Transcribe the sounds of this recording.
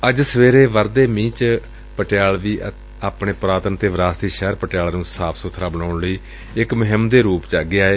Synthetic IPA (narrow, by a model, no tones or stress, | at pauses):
əd͡ʒsəʋeːɾeːʋəɾd̪eːmĩːt͡ʃ | pəʈɪjaːlʋiː | aːpɳeːpɾaːt̪ənt̪eːʋɾaːst̪iːʃɛːɾpəʈɪjaːlːnũːsaːpʰsʊt̪ʰɾaːbənaːʊɳləiː | ɪkməɦɪmd̪eːɾuːpt͡ʃaːɡɪaːeː